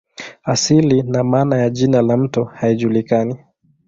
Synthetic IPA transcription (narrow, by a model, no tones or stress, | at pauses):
asilinamaːnajaʄinalam̩tɔhaiʄulikani